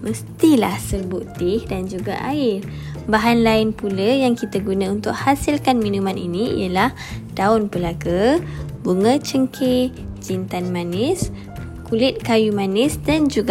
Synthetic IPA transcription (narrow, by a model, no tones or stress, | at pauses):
məst̪ilahsərbuʔt̪ɪhdand͡ʒuɡa̰ʔa̰ɪr | baɦanlaɪnpulajaŋkit̪aɡunãunt̪ʊk̚hasɪlkanminumanḭniḭjəlah | d̥aʊnpəlaɡabuŋət͡ʃəŋkʰe | d͡ʒint̪anmanɪs | kulɪt̪̚kajumanɪsdand͡ʒuɡa